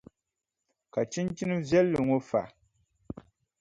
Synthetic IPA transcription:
ka˨t͡ʃi˦nt͡ʃi˦nɨ˦vjɛ˦lːɨ˨ŋo˦fa̰˨ʔ

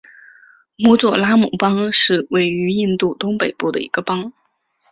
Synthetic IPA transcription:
mu˧˥t͡swɔ˨˩la˥mu˨˧˩pɑ˥ŋʂɻ̩˥˧we˥˩ɪy˧˥i˥˧nt̪u˥˩t̪ʊ˥ŋpe˨˩ɪpu˥˩d̪ə̰˩ḭ˧˥ɡ̥ə˧pɑ˥ŋ

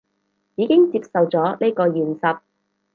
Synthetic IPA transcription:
jiː˨˧kɪ˥ŋt͡siː˧p̚sɐ˨wt͡sɔː˨˥leː˥kɔː˧jyː˨˩nsɐ˧t̚

